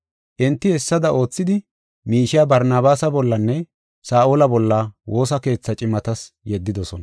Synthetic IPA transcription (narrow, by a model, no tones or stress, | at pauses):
ʔɪnt̪ːɪhɛsːɐd̪ɐʔo̞ːt͡sːɪd̪ɪ | miːʃɪabɐɾnaːbaːsɐbɔlːɐnːɛ | saːʔolɐbɔlːɐwo̞ːsɐke̞ːt͡sːɐt͡ʃʼɪmɐt̪ɐs | jɛd̪ːɪd̪ɔsɔnɐ